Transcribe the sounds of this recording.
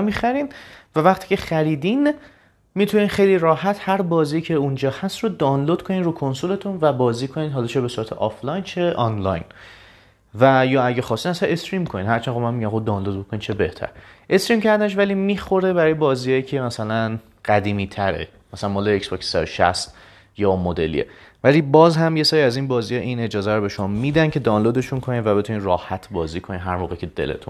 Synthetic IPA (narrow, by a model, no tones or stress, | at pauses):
mixæɾiːnvævæχt̪ʰiːcʰe̞χæɾiːd̪in | mit̪ʰuniːnχejliːrɒːhæt̪hæɾbɒːziːcʰeund͡ʒɒːhæst̪rod̪ɒːnlod̪̥kʰoniːd̪ɾuːkʰonsole̞t̪ʰunvæbɒːziːkʰoniːd̪ɦɒːlɒt͡ʃʰebe̞suːɾæt̪ʰḛʔɒflɒjnt͡ʃʰe̞ʔɒnlɒ̰jn | væjɒːæɟæxɒːsinmæsænestɾiːmkʰoniːnhæɾt͡ʃʰæːnomænmiɟæmχod̪ɒːnlod̪̚bokʰoniːnt͡ʃʰe̞beht̪ʰæ̰ɾʔe̞stɾiːmcʰæɾd̪æneʃ̬vælimiːxo̞ɾe̞bæɾɒjebɒːziːɒjicʰe̞mæsælæn | ɢ̥æd̪iːmiːt̪ʰæɾḛ | mæsælænmɒːleeksboksːeʃæ̰st̪ | jɒːmod̪e̞lḭḛvæliːbɒːzɦæmje̞sɒːɾiæzinbɒːziːjɒʔine̞d͡ʒɒːzæɾobe̞ʃo̞mɒːmiːd̪æncʰe̞d̪ɒwnlod̪e̞ʃunkʰoniːd̪væbe̞t̪ʰunirɒːhæt̪ʰbɒːziːkʰoninɦæɾmoːɣecʰe̞d̪e̞̰lḛt̪ʰṵn